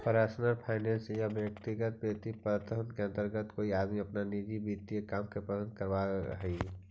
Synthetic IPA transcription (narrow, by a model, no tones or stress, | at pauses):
pəɾaːsnəɾpʰaːɪnɛ̃nsjabjək̚t̪iɡət̪̚bjət̪ipəət̪əɦənkeə̃nt̪əɾɡət̪koːiaːd̪miɐpnanid͡ʒibit̪ːijekaːmkepədə̃nd̪̚kəɾʋaɦi